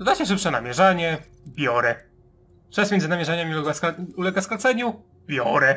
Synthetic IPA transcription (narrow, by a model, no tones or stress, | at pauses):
zd̪aɕɛʂ̬ɘpʂɛna̰mʲjɛʐaɲɛ | bʲjɔɾɛ | t͡ʂɛsmʲɛnd̪zɘnamʲjɛʐaɲamʲilɛɡaskɛulɛɡasklɛt̪sɛɲu | bʲjɔɾɛ